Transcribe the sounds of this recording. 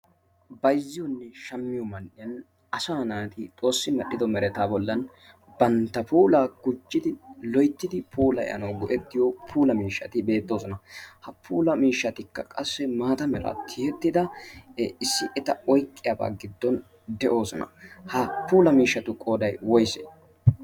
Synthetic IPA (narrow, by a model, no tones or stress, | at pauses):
bɐjzːɪjɔnːɛʃɐmːɪjɔmɐnːɪjɐn | ɐsaːnaːt̪ɪt̪ʼo̞ːsːɪmɐɗːɪd̪ɔmɛɾɛt̪aːbɔlːɐn | bɐnt̪ːɐpuːlaːɡ̥ʊd͡ʒːɪd̪ɪlɔjt̪ːɪd̪ɪpʰuːlɐɛ̰ʔɐ̰nɐwɡʊʔɛt̪ːɪjɔpʰuːlɐmiːʃːɐt̪ɪbe̞ːt̪ːo̞ːsɔnɐhɐpʰuːlɐmiːʃːɐt̪ɪkːɐkʼɐsːɛmaːt̪ɐmɛɾɐ̰t̪ʰɪhɛt̪ːɪd̪ɐ | ɪsːɪʔɛt̪ɐɔjkʼːɪjɐba̰ːɡɪd̪ːɔn | d̪ɛʔo̞ːsɔnɐ̰hɐpuːlɐmiːʃːɐt̪ʊkʼoːd̪ɐjwɔjsḛː